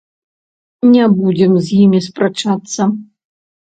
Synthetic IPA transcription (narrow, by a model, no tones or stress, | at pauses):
nʲɛbud͡zʲɛmzʲjimʲispɾat͡ʂat̪sːɐ